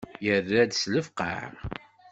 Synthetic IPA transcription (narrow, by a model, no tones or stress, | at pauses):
jərːæd̪sləfqə̰